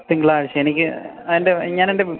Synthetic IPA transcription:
p̪ːiŋɡɭaːɻt͡ɕːɐenikʲːɨ | ɐðinde̞ɲaːnende

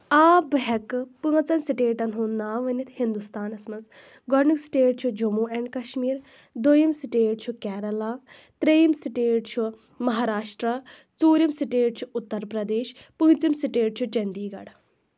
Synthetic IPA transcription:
aːbɦɛkpɨːɐt͡sɐnsiʈeːʈɐnɦunaːʋɐnit̪ʰhind̪ust̪aːnɐsmɐt͡s | ɡɔɾnuksi̥ʈeːʈ̚t͡ʃʰud͡ʒumuːɛɳɖkɐʃmiːɾ | d̪ojimsiʈeːʈ̚t͡ʃʰukɛːɾɐlaː | t̪ɾejimsiʈeːʈt͡ʃʰu | mɐɦaːɾaːʃʈɾɐ | t͡suːɾimsiʈeːʈ̚t͡ʃʰuʊt̪ːɐɾpɾɐd̪eːʃ | pɨ̃ːt͡simsiʈeːʈ̚t͡ʃʰut͡ʃɐnd̪iːɡɐ̰ɽ

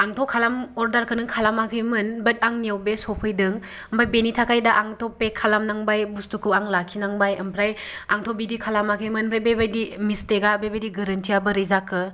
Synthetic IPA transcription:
aŋtʰɔkʰalamɔɾdaɾkʰɯnɯŋkʰalamakʰɯjmɯnbɐt̚aŋniewbesɔpʰɯjdɯŋ | əmpʰajbenitʰakʰajdaʔaŋtʰɔpekʰalamnaŋbajbustukʰɯaŋlakʰinaŋbajɯmpʰɾaj | aŋtʰɔbidikʰalamakʰɯjmɯnpʰɾajbebajdimisteɡabebajdiɡɐɾɐntʰijabɐɾɯjzakʰɯ

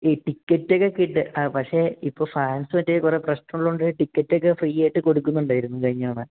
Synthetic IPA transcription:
iʈikʲːɐtːokːekːiʈːɨʔɐpɐkʂe̞ipːo̞ːfɐansɨʋɐtːekure̞ːprɐɕnɐmɭːuɳɖɨʈikːɐtːokːefriːjaːjiʈːɨko̞ɽukːunːuɳɖaːjiɾunːukɐɻiɲːɐːɳɨ

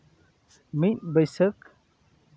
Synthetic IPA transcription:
mitbəjsək

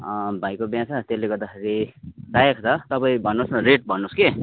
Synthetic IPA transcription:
ʌbʱajkobjãsat̪eleɡʌɾd̪axʰeɾidajekʰt͡sʰʌt̪ʌpaĩbʱʌnːosnʌɾeʈ̚bʱʌnːoske

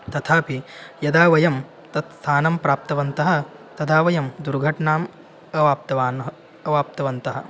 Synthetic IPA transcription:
t̪ɐt̪ʰaːpijɐd̪aːʋɐjɐm | t̪ɐt̪st̪ʰaːnɐmpɾaːp̚t̪ɐʋɐnt̪ɐɦɐ̆ | t̪ɐd̪aːʋɐjɐmd̪uɾɡʱɐʈɳaːm | ɐʋaːp̚t̪ɐʋaːnɐ | ɐʋaːp̚t̪ɐʋɐnt̪ɐɦɐ̆

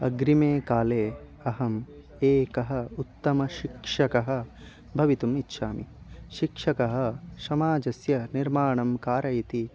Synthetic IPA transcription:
ɐ̰ɡɾimeːkaːleː | ɐɦɐm | eːkɐɦɐ̆ut̪ːɐmɐʃikʂɐkɐɦɐ̆ | bʱɐʋit̪umitːʃʰaːmi | ʃikʂɐkɐɦɐ̆sɐmaːd͡ʒɐsjɐniɾmaːɳɐmkaːɾɐjit̪i

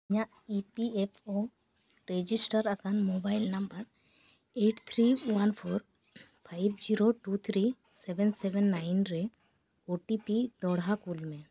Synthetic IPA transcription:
ɲaʔ | ipiepʰo | ɾed͡ʒisʈəɾakanmobajlnambəɾ | eʈt̪ʰɾiwanpʰɔɾ | pʰajbʱd͡ʒiɾoʈut̪ʰɾi | sɛbɛnsɛbɛnːajnɾɛ | oʈipid̪ɔɽɦakulmɛ̃

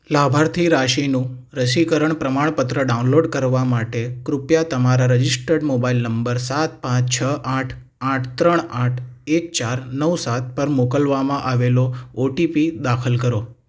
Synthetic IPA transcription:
labʱaɾt̪ʰiɾaʃinũ | ɾəʃikəɾəɳpɾəmaɳ̃pət̪ɾəɖaũnloɖkəɾʋamaʈekɾupjat̪əmaɾaɾəd͡ʒisʈəɖmobailnəmbəɾsat̪̚pãt͡ʃt͡ʃʰəʔaʈʰ | aʈʰt̪ɾəɳaʈʰek̚t͡ʃaɾnəwsat̪̚pəɾmokəlʋamãʔaʋelooʈipid̪akʰəlkəɾo

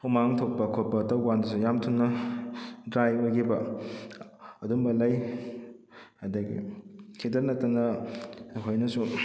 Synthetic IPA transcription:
umaŋtʰok̚pɐkʰopːɐtɐwwandɐsujamtʰunːɐ | dɾajojɡibɐ | ɐduŋbɐlɐj | hajdɐɡḭkʰidɐɾnɐtːɐnɐ | ɦojnɐsu

